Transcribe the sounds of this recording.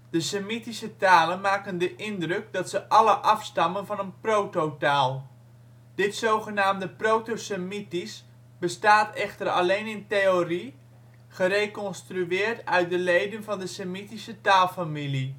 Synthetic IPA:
d̥əsəmitisətaːlənmaːkəndəʔɪndrɵk̚dɑtsəʔɑləʔɑfstɑmənvɑnənprowtowtaːlˠ | d̥ɪtsowχənaːmdəprowtosəmitis | b̥əstaːtɛχtərɑ̰lejnɪntejori | χəɾejkɔnstryɪːrtœɥt̚dəlejdənvɑndəsəmitisətaːlˠfamili

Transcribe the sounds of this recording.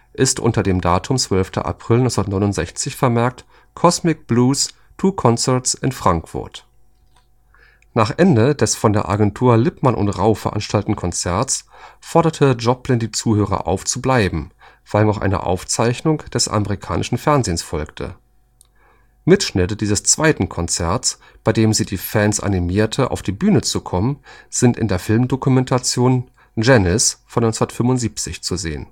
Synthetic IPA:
ʔɪstʔʊ̰ntɐdeːmdaːtʰʊmt͡sv̥œlftʰɐ̰ʔa̰pʁ̥ɪlnɔʏsnɐtnɔɪnʊntz̥ɛçt͡sɪçfɛɐmɛɐk̚t | kʰɔsmɪk̚b̥luːs | tʰuːkʰɔnt͡sɛɐt͡sʔɪnfʁ̥aŋkfʊ̰ɐt | naːχʔɛndədɛsfɔndeːɐʔa̰ɡɛntʰuːɐlɪpmanʔʊ̰ntʁaʊfɛɐʔa̰nʃtʰaltn̩kʰɔnt͡sɛɐtt͡sfɔɐdɐtʰəd͡ʒɔplɪndiːt͡suːhøːʁ̞ɐ̰ʔa̰ʊft͡sublaɪbm̩ | v̥aɪlnɔχʔa̰ɪnə̰ʔa̰ʊft͡saɪçnʊŋd̥ɛsʔa̰məʁikʰa̰ːnʔɪʃn̩fɛɐnzeːnsfɔlktʰə̰ | mɪtʃnɪtədiːzəst͡sv̥aɪtn̩kʰɔnt͡sɛɐs | b̥aɪdeːmziːdiːfɛnsʔa̰nimiːɐtʰəʔa̰ʊfd̥iːbyːnət͡sukʰɔmənz̥ɪntɪ̰ndeːɐfɪlmdokumɛntʰat͡sjoːn | d͡ʒɛnɪsfɔnɔɪnsndɐtfʏmʊntz̥iːp̚t͡sɪçt͡suzḛːən

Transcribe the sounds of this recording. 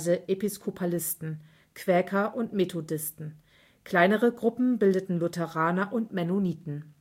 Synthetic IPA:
zəʔepiskʰopʰalɪstn̩ | kʰv̥ɛːkʰɐʔʊntmetʰodɪstn̩ | kʰl̥aɪnəʁəɡʁʊpm̩bɪldətn̩lʊtʰɛʁaːnɐʔʊntmɛnoniːtn̩

